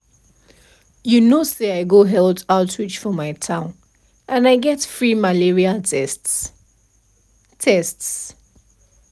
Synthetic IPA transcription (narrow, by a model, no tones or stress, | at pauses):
junoseaɪɡoɦɛldaʊtʰɹit͡ʃfɔmaɪtʰãʊ̃n | ʔə̃naɪɡɛtfɹimaliɹiaɛst | tʰɛsts